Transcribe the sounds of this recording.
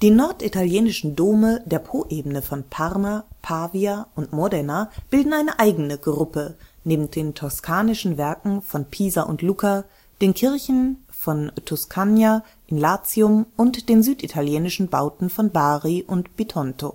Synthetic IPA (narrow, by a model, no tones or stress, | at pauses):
d̥iːnɔɐtitaljeːnɪʃn̩doːmədeːɐpʰoːʔeːbənəfɔnpʰaʁmapʰaːviaʔʊntmɔdɛnab̥ɪldn̩ʔaɪnəʔaɪɡənəɡʁʊpəneːbm̩td̥eːntʰɔskʰaːnɪʃn̩vɛɐkŋ̩fɔnpʰiːzaʔʊ̰ntluːkʰa | d̥eːnkʰɪɐçn̩ | fɔntʰɔskʰanja | ʔɪnlaːt͡siʊmʔʊntd̥eːnzyːtʔitʰaljeːnɪʃn̩baʊtn̩fɔnbaːʁiʔʊntb̥itʰɔntʰo̰ː